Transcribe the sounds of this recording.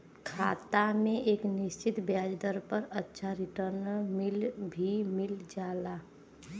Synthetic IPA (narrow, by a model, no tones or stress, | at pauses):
kʰaːt̪amẽʔeːknɪst͡ʃɪt̪bjaːd͡ʒd̪əɾpəɾətːʃʰaɾɪʈəɾnɪlbʱimɪld͡ʒaːla